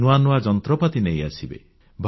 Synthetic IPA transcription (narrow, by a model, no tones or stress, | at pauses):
nuanuad͡ʒɔnt̪ɾɔpat̪ineja̰sibḛ | bʱ